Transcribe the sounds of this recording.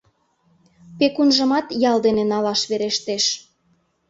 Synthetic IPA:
pekunʒə̆mɑt̪jɑld̪enenɑlɑʃβeɾeʃt̪eʃ

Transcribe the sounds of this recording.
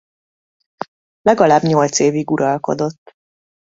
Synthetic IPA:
lɛɡɒlaːbɲolt̪seːviɡuɾʔɒlko̞̰d̪o̞t̪ː

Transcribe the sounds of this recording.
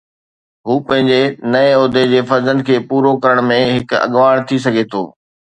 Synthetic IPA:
ɦuːpɐ̃ɦɪ̃ɲd͡ʑenɐeoːd̪ʱed͡ʑeːfɐɾzə̃nd̪̚kʰeːpuːɾokɐɾəɽ̃mẽɦɪkɐ̰ɠʋaːɽ̃t̪ʰis̬ɐɡʱet̪ʰo̰ː

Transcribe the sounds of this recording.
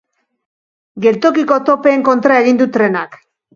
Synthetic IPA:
ɡe̞lt̪o̞kiko̞t̪o̞pe̞ːŋko̞nt̪ɾae̞ɣind̪ut̪ɾe̞nak

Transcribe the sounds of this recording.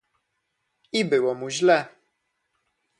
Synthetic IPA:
ibɘwɔmuʑlɛ

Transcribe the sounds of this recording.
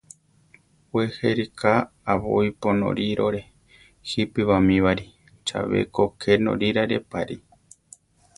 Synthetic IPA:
weheɾikʰaː | βojponõ̰ɾiɾoɾe | hipiβamĩβaɾi | t͡ʃa̰βḛkokʰenõ̰ɾiɾaɾepaɾi

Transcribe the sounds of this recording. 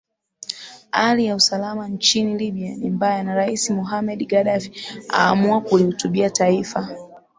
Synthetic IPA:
halijausalamant͡ʃiniliɓianimbajanaɾaisimɔɦamɛɗɡaɗafia̰ːmuakulihutuɓiataifa

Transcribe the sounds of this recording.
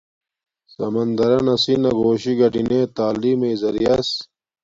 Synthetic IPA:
sɐmɐnd̪ɐɾɐnɐsinɐɡoːɕiɡɐʈineːt̪aːliːmezɐɾijɐs

